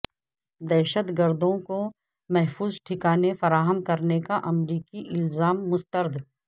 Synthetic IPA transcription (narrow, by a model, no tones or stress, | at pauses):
d̪ɛːʃət̪ɡəɾd̪õko | mɛɦfuːzʈʰɪkaːnefɐɾaːɦəmkɐɾnekaʔɐmɾiːkiʔɪlzaːmːʊst̪əɾd̪ʱ